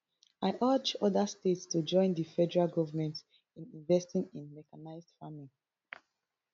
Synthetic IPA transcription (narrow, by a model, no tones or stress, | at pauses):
aɪʔad͡ʒɔdastetstud͡ʒɔ̃ɪ̃ndifɛdəɹalɡɔvəmɛ̃nt | ĩnĩɱvɛstĩŋĩnmɛkanaɪzdfamĩn